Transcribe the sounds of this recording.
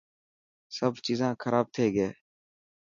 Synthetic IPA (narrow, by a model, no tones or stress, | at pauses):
səbt͡ʃiːzãːkʰəɾaːb̚t̪ʰeːɡeː